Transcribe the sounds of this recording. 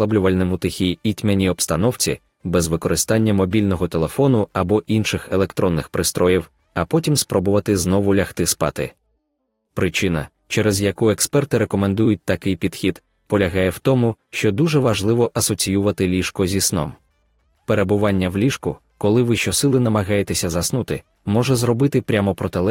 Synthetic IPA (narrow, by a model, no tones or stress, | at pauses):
lˠɐblʲʊʋɐlʲnɛmʊt̪ɪxʲijit̪ʲmʲenʲiɔbst̪ɐnɔwt͡sʲḭ | bɛzʋɪkɔɾɪst̪ɑnʲːɐmɔbʲilʲnɔɦɔt̪elˠefɔnʊɐbɔʔinʃɪxelˠekt̪ɾɔnːɪxpɾɪst̪ɾɔjiw | ɐpɔtʲimspɾɔbʊʋɐt̪ɪznɔʋʊlʲɐxt̪ɪspɑ̰t̪ɪ̰ | pɾɪt͡ʃɪnɐ̰ | t͡ʃɛɾɛzjɐkuekspɛrt̪ɪɾekɔmend̪ujʊt̚ʲt̪ɐkɪjpʲid̪xʲid̪̥ | pɔlʲɐɦɑjɛwt̪ɔmʊʃt͡ʃɔd̪uʒɛʋɐʒlˠɪʋɔʔɐsɔt͡sʲijuʋɐt̪ɪlʲiʃkɔzʲisnɔ̰m | peɾe̞bʊʋɑnʲːɐwlʲiʃkʊ | kɔlˠɪʋɪʃt͡ʃɔsɪlˠɪnɐmɐɦɑjet̪esʲɐzɐsnut̪ɪ | mɔʒɛzɾɔbɪt̪ɪpɾʲamɔpɾɔt̪elˠɛ